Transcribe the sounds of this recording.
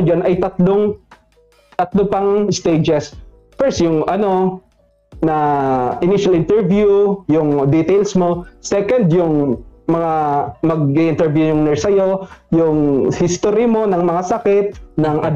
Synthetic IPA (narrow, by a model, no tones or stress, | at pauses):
d͡ʒanɐjt̪ɐt̪loŋ | t̪ɐt̪lopɐŋst̪ed͡ʒɛs | fɛɹst̪jʊŋʔɐno̞ | nɐʔɪniʃɐlʔɪnt̪ɛɹvjujʊŋd̪it̪ejlsmo̞sɛkɐnd̪jʊŋmɐŋamɐɡ̚iʔɪnt̪ɛɹvjujʊŋnɛɹsɐjo̞jʊŋhɪst̪oɾɪmo̞nɐŋmɐŋasɐkɪt̪̚nɐŋʔɐd̪